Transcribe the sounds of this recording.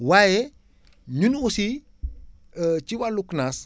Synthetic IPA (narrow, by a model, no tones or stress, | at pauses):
waje | ɲunusi | ət͡ʃiwaluknas